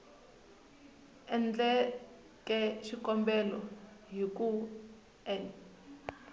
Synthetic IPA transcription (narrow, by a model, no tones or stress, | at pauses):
ɛnd͡ɮɛ | kʼɛʃikɔmbɛlɔɦik̬ʼu | ɛn